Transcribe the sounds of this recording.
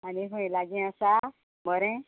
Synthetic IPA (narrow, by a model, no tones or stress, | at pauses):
aniɦũẽlaɡĩəsa | məɾɛ̃